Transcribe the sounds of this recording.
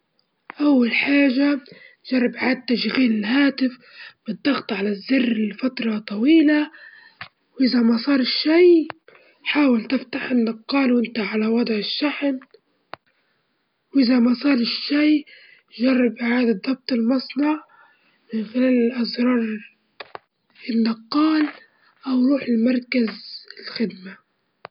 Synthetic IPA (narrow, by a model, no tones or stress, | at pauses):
ʔawːalħaːʒa | ʒ̥ɑrˤːɑbʔʕaːd̪̚t̪ːaʃɣiːlɪlɦaːt̪ɪf | bɨd̪ːɑɣt̪ˤʕalazːɪrːɪlfat̪ɾˤɑt̪ˤɑwiːla | wʔɪzamasˤɑːɾˤɪʃːaj | ħaːwɪlt̪ɪft̪aħʔɪnːɑkqqːɑːlwʔɪnt̪aʕalawɑd̪ˤʕɪʃːaħn | wʔɪzamasˤɑːɾˤɪʃːaj | ʒɑrˤːɑbʔɪʕaːd̪ɑdðˤːɑb̚t̪ˤɪlmɑsˤnɑʕ | mɪnxɪlaːlɪlʔazɾˤɑːɾˤ | ɪnːɑqːɑːl | ʔawɾˤuːħɪlmɑɾˤkazɪlxɪd̪ma